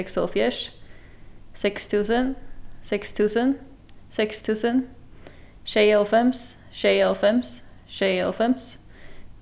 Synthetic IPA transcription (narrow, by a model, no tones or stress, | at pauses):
ɛksɔlfjɛʃ | sɛkst̪ʰʉːsənsɪkst̪ʰʉːsən | sɛkst̪ʰʉːsən | ʃeɪɛlfɛms | ʃeɪɛlfɛmsʃeɪɛ̰lfɛms